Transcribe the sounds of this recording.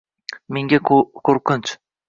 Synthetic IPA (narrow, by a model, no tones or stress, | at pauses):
meŋɡʲakʰoɾqɪnt͡ʃ